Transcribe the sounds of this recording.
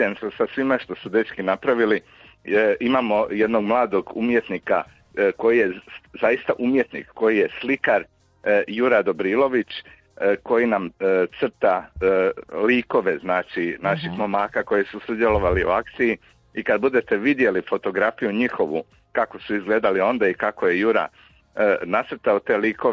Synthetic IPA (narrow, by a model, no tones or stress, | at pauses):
emsasasʋimaʃt̪o̞sud̪et͡ʃkinapɾaʋili | imaːmo̞je̞d̪no̞ɡmlˠaːd̪o̞ɡumje̞t̪niːka | ko̞jijezajist̪aʔumje̞t̪nḭkːo̞jije̞slikaɾ | juɾad̪o̞bɾiːlˠo̞ʋit͡ʃ | ko̞jinamt̪sr̩t̪a | liːko̞ʋe̞znaːt͡ʃinaʃixmomaːkako̞jesusud̪jelo̞ʋaliṵakt̪siji | ikad̪̚bud̪e̞t̪e̞ʋid̪je̞lifo̞t̪o̞ɡɾafijuɲixo̞ʋṵ | kako̞suizɡle̞ːd̪alio̞nd̪aikakoje̞juɾa̰ | nat̪sr̩t̪aot̪e̞ːliːkoe